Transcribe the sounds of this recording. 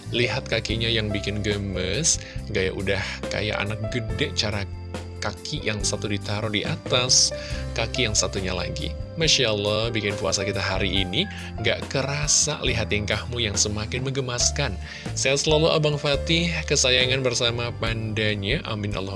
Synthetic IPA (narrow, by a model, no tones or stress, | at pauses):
liɦat̪̚kakiɲajaŋbikɪnɡəməsŋɡaja̰ʔudahka̰ja̰ʔa̰nak̚ɡədɛʔt͡ʃaɾa | kakʰijaŋsat̪udit̪aɾʊdiʔat̪askakijaŋsat̪uɲa̰la̰ɡḭmaʃaʔlːɔhbikɪnpua̰sakit̪aɦaɾiʔːni | ŋɡa̰ʔkəɾasa̰liɦat̪iŋkahmujaŋsəmakɪnməɡəmaskan | sajasəlaluʔa̰baŋfat̪ɪhkəsajaŋanbərsamapandaɲaʔa̰mɪnʔa̰lːɔ